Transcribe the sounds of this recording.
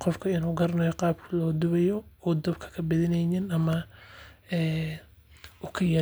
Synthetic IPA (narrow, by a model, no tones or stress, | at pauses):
qɔfkʰɐɪnuːɡɐɾnɔjɔqɑːb̚kʰɐlɔːd̪ʊβɛjɔɔːd̪ɐbkʰɐ̥kʰɐbɪðɪnɛnɪnɐmɐ | ɛː | ʊkʰɐjɐ